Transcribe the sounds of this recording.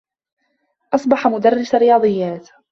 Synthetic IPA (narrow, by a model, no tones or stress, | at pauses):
ʔɑsˤbɑħamʊd̪arːɪsaɾɪjɑːd̪ˤɨjːaːt̪